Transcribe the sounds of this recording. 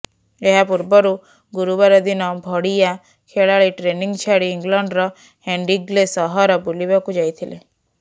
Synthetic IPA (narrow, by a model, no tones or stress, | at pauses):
eɦapuɾbɔɾu | ɡuɾubaɾɔd̪inɔbʱɔɽija | kʰeɭaɭiʈɾeniŋt͡ʃʰaɽiːŋɡlɔɳɖɾɔ | heɳɖiɡlesɔɦɔɾɔbulibakud͡ʒajt̪ʰile